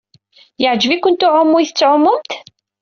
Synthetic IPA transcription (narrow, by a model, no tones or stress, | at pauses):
jəʕd͡ʒəvikʷʊnt̪ʊʕʊmːujθə̥t͡sːʕʊmːʊmt̪